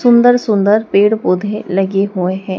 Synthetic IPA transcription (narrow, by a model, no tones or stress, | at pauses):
sʊ̃nd̪əɾsʊ̃nd̪əɾpeːɽpoːd̪ʱeləɡeɦʊeɦɛ̃ː